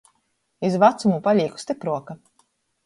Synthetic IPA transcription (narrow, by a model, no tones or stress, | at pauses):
izvat̪sumupaʎʲiːku̥st̪ipɾuɔka